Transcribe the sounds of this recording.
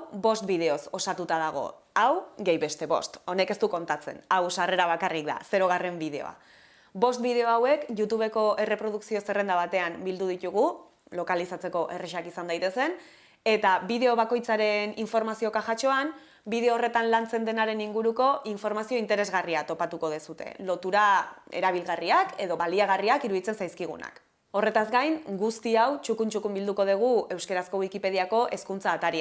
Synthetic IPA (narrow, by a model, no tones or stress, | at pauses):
bo̞st̪bið̞e̞o̞so̞sat̪ut̪aðaɣ̞o̞̰ | awɡejβe̞st̪e̞βo̞̰st̪o̞ne̞ke̞st̪uko̞nt̪at͡sḛnawsare̞ɾaβ̞akarik̚d̪a̰se̞ɾo̞ɣ̞are̞mbið̞e̞o̰a̰ | bo̞st̪bið̞e̞o̞awe̞kʝut̪uβ̞e̞ko̞e̞re̞pɾo̞ð̞uksio̞se̞re̞nd̪aβat̪e̞ambild̪uð̞it̪uɣ̞u | lo̞kalisat͡se̞ko̞ʔe̞reʃakisand̪ajt̪e̞se̞n | e̞t̪aβiðe̞o̞β̞ako̞jt͡saɾe̞niɱfo̞ɾmasio̞kaʝat͡ʃo̞an | biðeoːre̞t̪anlant͡se̞nd̪e̞naɾe̞niŋɡuɾuko̞ʔiɱfo̞ɾmasio̞int̪e̞ɾezɣariat̪o̞pat̪uko̞ð̞esut̪e̞̰lo̞t̪uɾae̞̰ɾaβ̞ilɣariake̞ðo̞βaliaɣariakiɾuðit͡se̞nsajskiɣ̞ṵna̰k | o̞re̞t̪azɡajŋɡust̪iawt͡ʃukunt͡ʃukumbild̪uko̞ð̞eɣ̞ue̞wske̞ɾasko̞wikipe̞ð̞iako̞ʔe̞skunt͡saːt̪aɾi